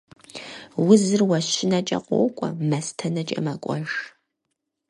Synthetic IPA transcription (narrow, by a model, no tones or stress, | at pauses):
wʊzɨrwɐɕɪnɐt͡ʃʼɐ̰qʷɔ̰kʷʼɔ̰mɐstʰɐnɐt͡ʃʼɐ̰mɐkʷʼɔʒ